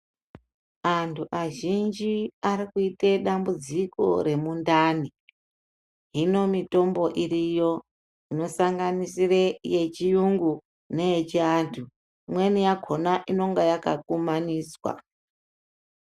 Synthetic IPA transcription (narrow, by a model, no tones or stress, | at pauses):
antʰuʔaʒind͡ʒiaɾikuiteɗambud͡ziko̞̰ɾe̞mundaːni | ɦino̞mito̞mbo̞ʔiɾijo̞ | ino̞saŋɡanisirejet͡ʃijuŋɡu | ne̞je̞t͡ʃiantʰu | mwe̞nijaɡʱonaʔino̞ŋɡajakakumaniːswa̰